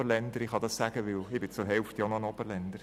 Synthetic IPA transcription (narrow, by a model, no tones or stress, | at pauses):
əɾlɛnd̪əɾɪχhɑd̪ɑssæɡəʋɪlɪbɪt͡sʊɾɦɛlft̪jɔnɔənɔbəɾlɛnd̪əɾ